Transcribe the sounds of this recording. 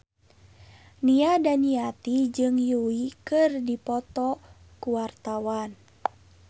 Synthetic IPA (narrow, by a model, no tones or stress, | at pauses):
niadaniat̪id͡ʒɨŋjuikɨrdipɔt̪ɔ | kuwart̪awan